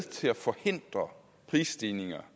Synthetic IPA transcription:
t͡sʰe̝læfɒ̽he̝n̰d̥ʁɐ | pʰʁiːsd̥iːne̝ŋɐ

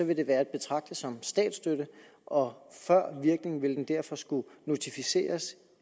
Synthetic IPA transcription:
ɒ̽ʋe̝d̥e̝ʋæːɐed̥̚b̥e̝t͡sʰʁɑ̈ɡ̥̚d̥əsɒ̽msd̥ɛ̰ːd̥sd̥øɾə | ʔɒ̽fɶɐ̰ʋiɐɡ̥ne̝ŋn̩ʋe̝ld̥end̥æɐfɒ̽sɡ̥uno̝t͡sʰifise̝̰ːɐs

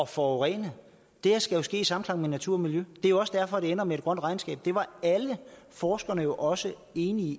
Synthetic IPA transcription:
ɒ̽fɒʊʁɛ̰ːnə | d̥eɐsɡ̥æjo̝sɡ̥e̝̰ːisɑ̈mn̩kʰlɑ̈ŋ̰menæt͡sʰuɐ̰ɒmiljød̥eɐjo̝ɒ̽səd̥æɐfɒ̽ɾ̥e̝enɐmeed̥̚ɡ̥ʁɶn̰d̥ʁɑ̈ɪnsɡ̥ɛ̰ːb̥̚d̥e̝ʋɑ̈ælə | fɒːsɡ̥ɐnəjo̝ʔɒ̽sə | e̝ːni

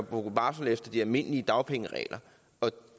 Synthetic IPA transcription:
b̥oɡ̥b̥ɑ̈ːsn̩efd̥ɐd̥iælme̝n̰liəd̥ɑ̈ʊpʰeŋəʁɛ̰ːlʔɐ | ɒ̽

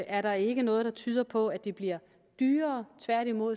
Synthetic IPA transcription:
ʔæɐɾɑ̈e̝ɡ̥ənɔ̽ːð̩ˠd̥ɑ̈t͡sʰyːð̞ˠɐpʰɒ̽æd̥ib̥liɐ | d̥yːɐːt͡sʰʋæɐ̰ɾimo̝ð̰ˠ

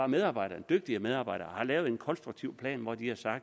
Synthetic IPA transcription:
ɑ̈með̞ˠɑ̈ːb̥ɑ̈ɪ̰ɾ̥ɐd̥øɡ̥̚d̥iəmeð̞ˠɑ̈bɑ̈ɪ̰d̥ɐhɑ̈lɛːʊð̩ˠe̝nkʰɒ̽nsd̥ʁuɡ̥̚t͡sʰiʊpʰlɛ̰ːnʋɒd̥ihɑ̈sɑ̈ɡ̥̚d̥

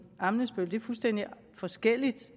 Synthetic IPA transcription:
ɑ̈mnəsb̥øld̥e̝ɐfulsd̥en̰d̥i | fɒ̽sɡ̥el̰id̥

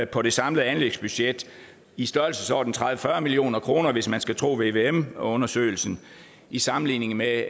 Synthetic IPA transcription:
pʰɒ̽de̝sɑ̈mləð̩ˠænleɡ̥sb̥yɕed̥ | isd̥ɶɐl̩səsɒʊd̥n̩t͡sʰʁað̞ʋəfɶɐmilio̝̰ːnɐkʰʁo̝ːnɐʋe̝smænsɡ̥æt͡sʰʁo̝̰ːʋe̝ʋeemɔ̽nɐsø̰ɪl̩sn̩ | isɑ̈mn̩lḭːne̝ŋ̩me

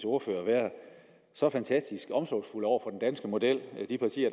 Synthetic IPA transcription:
so̝ɐfø̰ːɐʋæːɐ | sɒ̽fænt͡sʰæsd̥isɡ̥ɒ̽msɒːsfulɒ̰ʊ̰ɐfɒ̽d̥en̩d̥ænsɡ̥əmo̝d̥el̰d̥ipʰɑ̈t͡sʰḭːɐ

